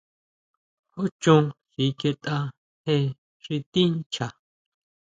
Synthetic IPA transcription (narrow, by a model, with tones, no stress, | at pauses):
o˦t͡ʃũ˧hi˨˦ke˧t̪ʼa˧ | he˧ | ʂi˧t̪ĩ˦n˦t͡ʃʰa˨